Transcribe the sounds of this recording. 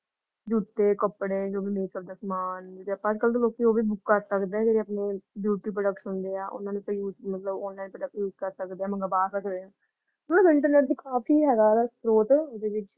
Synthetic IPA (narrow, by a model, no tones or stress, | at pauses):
d͡ʒuːt̪ːeːkəpːɽẽːd͡ʒoːbiːmeːkəp̚d̪aːsmaːnd͡ʒpːd͡ʒkəlt̪oloːkːioːbiːbʊkːəɾsəkd̪eɛ̃d͡ʒeːɾiəpnebjuːʈiːpɾəɖəkʈsʊnd̪eːaːʔʊ̰nãːnepəjuːzmət̪ləbɔ̃ːnlaːinpɾəɖək̚ʈjuːzkəɾsəkd̪eɛ̃ːməŋɡabaːsəkd̪eːãː | ʊnnãːbəɪ̃ɳʈəɾneːʈd̪ikaːpiːɦɛːɡad̪aspɾoːt̪ʊd̪eːʋɪt͡ʃ